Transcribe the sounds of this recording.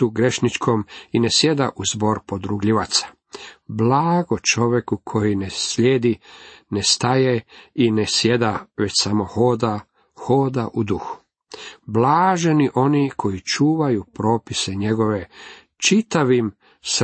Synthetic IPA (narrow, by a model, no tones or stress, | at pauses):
uɡɾe̞ʃnit͡ʃkʰo̞mine̞sje̞d̪aʔuzbo̞ɾpo̞d̪ɾuɡʎiʋat̪sḁ | blaːɡo̞t͡ʃo̞ʋjekukʰo̞jinesʎeːd̪inest̪ajeinesjed̪aʋet͡ɕsamo̞hoːd̪a | xoːd̪aʔud̪uxu̥ | blaːʒe̞niʔo̞nikʰo̞jit͡ʃuːʋajupɾo̞ːpise̞ɲe̞ɡo̞ʋe̞ | t͡ʃit̪aʋim | s